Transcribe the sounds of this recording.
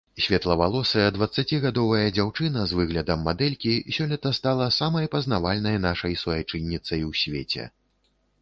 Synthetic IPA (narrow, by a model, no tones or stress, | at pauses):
sʲvʲɛt̪lˠɐvalˠɔsɨjɐd̪vɐt̪sːat͡sʲiɣad̪ɔvɐjɐd͡zʲawt͡ʂɨnɐzvɨɣlʲɐd̪ɐmːad̪ɛlʲkʲisʲɔlʲit̪ɐst̪alˠɐsamɐjpɐznavalʲnɐjn̪aʂɐjsɔjat͡ʂɨnʲːit̪sɐjwsʲvʲet͡sʲɛ̰